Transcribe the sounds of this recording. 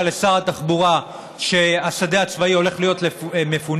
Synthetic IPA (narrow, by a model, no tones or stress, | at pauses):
le̞saʁat̪aχbuʁa | ʃe̞asad̪eat͡svaio̞le̞χlijo̞tleme̞fun